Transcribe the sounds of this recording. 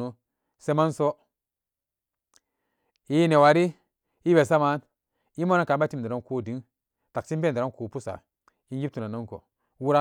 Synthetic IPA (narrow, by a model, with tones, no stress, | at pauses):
u˨ | se˦ma˦nso˦ | i˦ne˨wa˨ɾi˦ | i˦be˨sa˦ma˨˦n | i˦mo˦na˦ka˨˦ba˦ti˦m˨de˨ɾo˦ko˦˨di˨˦n | ta˨k̚t͡ʃi˦be˦˨de˨ɾo˦nku˨pu˦sa̰˨ | i˦n˦ɡi˦tu˨na˨no˦ŋko̰˨ | wu˦ɾa˦